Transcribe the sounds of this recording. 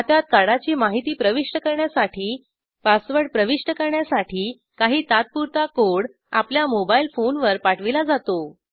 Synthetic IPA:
at̪jat̪̚kaɽat͡ɕiːmaɦit̪iːpɾəʋiʂʈəkəɾɳjasaʈʰiː | pasʋəɽpɾəʋiʂʈəkəɾɳjasaʈʰiː | kaɦiːt̪at̪̚puɾt̪akoɽ | a̰pljamobailfonʋəɾpaʈʰʋilad͡zat̪o

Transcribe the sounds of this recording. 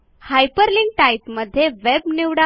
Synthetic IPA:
hajpəɾliŋɡ̚ʈaipməd̪ʱːjeʋebniʋɽa

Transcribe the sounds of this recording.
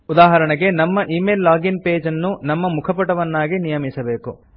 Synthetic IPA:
ud̪aːɦɐɾɐɳɐɡe̞nɐmːɐʔiːmeːlːaːɡinpeːd͡ʒɐnːunɐmːɐmukʰɐpɐʈɐʋɐnːaːɡinijɐmisɐbe̞ːku

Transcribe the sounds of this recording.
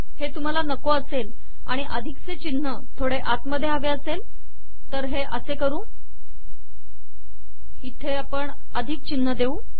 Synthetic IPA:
het̪um̤alanəkoəsel | a̰ɽ̃iʔəd̪ʱikt͡set͡ɕinːət̪ʰoɽeʔat̪məd̪ʱːjeaʋeəsel | t̪əɾɦeʔəsekəɾũː | it̪ʰeapəɳ | əd̪ʱiːk̚t͡ɕinːəd̪euː

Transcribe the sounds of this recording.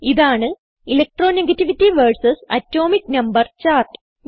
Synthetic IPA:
iðaːɳɨ | ilɐk̚ʈroːneɡɐtːiʋitːiʋɐrsɐsɐ̰tːo̞ːmiʈnɐmbɐrt͡ɕaːrʈɨ̥

